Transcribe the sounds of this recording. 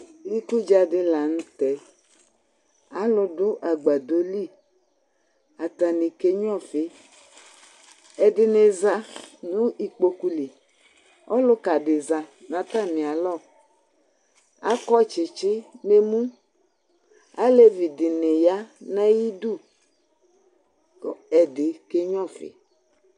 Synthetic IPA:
i˦ku˦d͡ʒa˨dɪ˧la˨n̩˦t̪ɛ˨ | a˨˦lʊ˨dʊ˦ʔa˨ɡ͡ba˨d̪o˦li˦˨ | a˨t̪a˨ni˨ke˦ɲ˦ɔ̃˦˨fe˦ | ɛ˨dɪ˨ne˨za˦nũ˦i˨k͡po˨ku˦li˨ | ɔ̰˦lʊ˦ka˨dɪ˨za˨nã˨ta˦˨nɪ̃˨a˨lɔ˦˨ | a˦kɔ˦t͡ʃɪ˨t͡ʃɪ˦ne˨mũ˦ | a˦le˦vi˨dɪ˨ne˨ja˦na˦ji˦du˦˨ | ɛ˨dɪ˨ke˦ɲɔ̃˦˨fɪ̰˨˦

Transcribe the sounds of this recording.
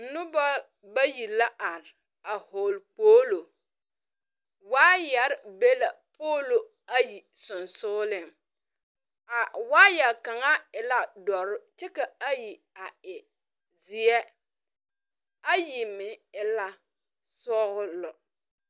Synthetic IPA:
nʊ˦ba˦ | ba˦ji˨la˦ʔa˨ɾ | a˨hoː˨lk͡poː˦lo˨ | waː˦jɛ˨ɾɪ˦be˦la˨pʰoː˦lo˨ | a˦ji˨ | sʊ˨nsʊː˦lɪ˨m | a˨waː˦jɛ˨lka˨ŋa˦ɪ˨la˦dɔ˨ɾʊ˦t͡ʃɛ˦ka˨a˦ji˨ | a˨ɪ˨ | zɪ˨ɛ˦ | a˦ji˨mɪ˨ɪ˨la˦ | sɔ˦ɣʊ˦lʊ˨

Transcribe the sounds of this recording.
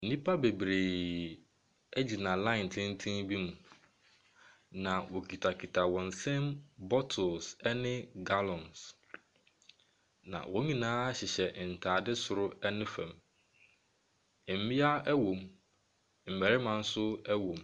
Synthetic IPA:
n̩˨nĩ˦pʰa˦be˨bɾe˨ | ɛ˦d͡ʑi˨nã˨lã˦ɪ˨n˨tʰɪ̃˦n̩˦tʰĩ˦ŋbi˦mũ˨ | nã˨wɔ˨kʰi˨tʰa˨kʰi˨tʰa˨wɔ̃˨n̩˨sɛ̃˦mbɔ˦tʰʊ˨lsɛ˦nɪ̃˦ɡa˦lɔ̃˨ns | nã̰˨wɔ̃˨˦ɲĩ˨nãː˦a˦ɕɪ˨ɕɛ˨n̩˨tʰaː˨dɪ˦sʊ˨ɾʊ˦ɛ˦nɪ̃˦fɛ̰̃˨m˨ | m̩˨˦mɪ̃˦a˦ɛ˦wõ˨m | m̩˨mɛ˨ɾɪ˦mã˨n̩˦sʊ˦ɛ˦wõ˨m

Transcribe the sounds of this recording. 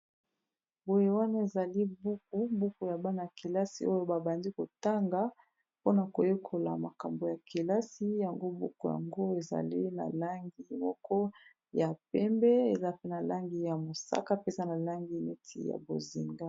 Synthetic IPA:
bo˨je˨wa˦na˦e˨za˨li˦bu˦ku˦bu˦ku˨ja˨ba˦na˨a˨ki˨la˦sḭ˨˦o˦jo˦ba˨ba˨ndi˦ko˨ta˦ŋɡa˦ | po˦na˨ko˨je˦kʰo˨la̰˨ma˨ka˨mbo˨ja˨ki˨la˦si˦ja˨ŋɡo˦bṵ˦ku˨ja̰˨ŋɡo˦e˨za̰˨li˦na̰˨la˦ŋɡi˨mɔ˦kʰɔ˦ | ja˨pɛ˦mbɛ˦e˨za˦pe˦na˨la˦ŋɡi˨ja˨mo˨sa̰˦ka˦pe˦sa˦na˨la˦ŋɡi˨me˦tʰḭ˨ja̰˨bo̰˨zi˨ŋɡa˦

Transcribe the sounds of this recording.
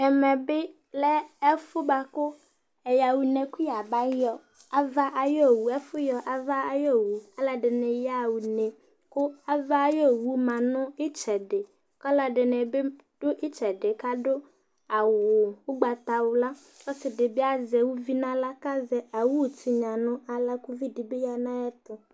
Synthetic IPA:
ɛ˨mɛ̃˨be˦ | lɛ˦ɛ˦fʊ˦ba˨kʊ˦ | e˨ja˨wu˨nẽ˨ku˦ja˨ba˦jɔ˨ | a˨va˦ʔa˨jɔ˦˨wu˨ɛ˦fʊ˦jɔ˨ʔa˨va˦a˨jɔ˦wu˨a˦la˨ɖe˨nẽ˨ja˦wu˨ne˨ | kʊ˦a˦va˦jɔ˦wu˦mã˨nʊ̃˦e˦t͡ʃɛ˨ɖe˨ | kɔ˦la˦ɖe˨ne˨be˦ | ɖ̥ʊ˦ʔi˦t͡ʃɛ˨ɖe˨ka˦ɖo˦ | a˨wʊ˨wo˦ɡ͡ba˨t̪a˨wo˨la˦ | ɔ˦sɪ˨ɖe˨be˦a˦zɛ˨wu˦vi˦nã˦la˦ka˦zɛ˦a˨wu˦wti˨ɲã˨nʊ̃˦a˨la˦ku˦vi˦ɖi˨be˦ja˨nã˦ja˦t̪ʊ˨

